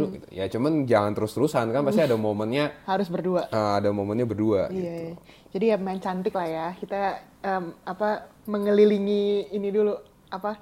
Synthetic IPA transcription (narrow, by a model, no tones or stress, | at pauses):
lɡit̪u̥jat͡ʃumand͡ʒaŋant̪əɾʊst̪əɾusankanpast̪iadamomənɲahaɾʊsbərduaʔʔəadamomənɲabərduaijaja | d͡ʒadijamaɪɲt͡ʃant̪ɪklahjakit̪a | əːapaməŋəliliŋiːnidulu | apa